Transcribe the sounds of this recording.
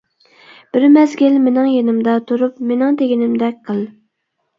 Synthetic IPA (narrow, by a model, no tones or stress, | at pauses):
b̥ɪɾmɛzɡʲilmenɪŋjenɪmd̪ɑt̪ʰuɾupmenɪŋt̪eɡʲinɪmd̪ɛk̚ʲqʰəlˠ